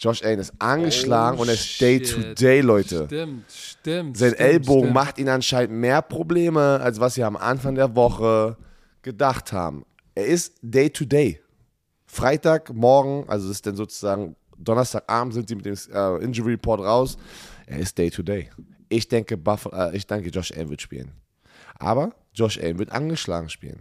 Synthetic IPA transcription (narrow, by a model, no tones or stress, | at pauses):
d͡ʒ̥ɔʃʔɛɪnɪstʔanɡəʃlaːɡŋ̩ʊnteːɐɪstd̥eɪtʰudeɪlɔʏtə | zaɪnʔɛlboːɡŋ̩maχtʔiːnanʃaɪnn̩tmeːɐpʁ̥obleːməalsv̥asz̥iːamʔa̰nfaŋdeːɐvɔχə | ɡ̥ədaχtha̰ːbm̩ | ʔeːɐɪstd̥eɪtʰudeɪ | fʁ̥aɪtaːkmɔɐɡŋ̩ʔa̰lzoɪstd̥ɛnzoːt͡su̥zaːɡŋ̩ | d̥ɔnɐstʰaːkʔa̰ːbm̩tz̥ɪntz̥iːmɪtd̥eːmʔɛʔɪnd͡ʒəʁipʰɔɐtʁaʊsʔḛːɐɪst̚d̥eɪtʰudeɪʔɪçd̥ɛŋkəbafʔɛ̰ːʔɪçd̥ɛŋkəd͡ʒɔʃʔɛ̰ɪnvɪɐtʃpḭːlən | ʔa̰ːbɐ | d͡ʒɔʃʔɛ̰ɪnvɪɐtʔa̰nɡəʃla̰ːɡŋ̩ʃpḭːlən